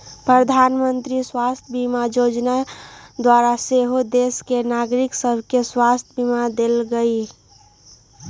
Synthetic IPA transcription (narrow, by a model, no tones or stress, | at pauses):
pɾəd̪ʱaːnmənt̪ɾiswast̪ʰbimajod͡ʒnad̪waɾaseɦod̪eskenaɡɾiksəbʱkeswast̪ʰbimad̪elɡəi